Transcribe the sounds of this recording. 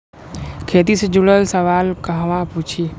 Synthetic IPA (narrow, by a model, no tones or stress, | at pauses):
kʰeːt̪ised͡ʒuɽəlsəʋaːlkəɦʋãput͡ʃʰi